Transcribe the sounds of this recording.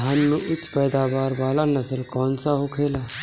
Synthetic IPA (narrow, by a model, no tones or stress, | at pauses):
ɦəmnũːʔɪt͡ʃʰpɛːd̪aːbaːɾbaːlaːnasəɾkɔːnsaːɦoːkʰeːlaː